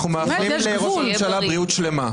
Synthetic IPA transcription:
χumeaχʁimleʁomemʃalabʁiut̪ʃlema

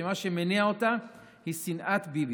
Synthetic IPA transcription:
emaʃemeniaot̪a | hisinʔat̪bib

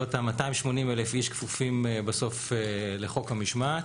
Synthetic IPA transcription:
ot̪amatajmʃmo̞nimelefiʃkfufimebaso̞feleχo̞khamiʃmat

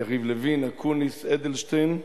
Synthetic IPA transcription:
aχiːvləviːnakʰunisɛd̪əlˠʃtɛn

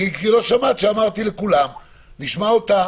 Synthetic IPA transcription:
iiloʃamat̪ʃeamaʁt̪ilekulam | niʃmaot̪a

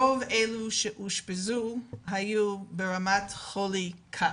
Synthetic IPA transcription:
oveluʃɛʔuʃpezuɦajubeɹamatχolikʰa

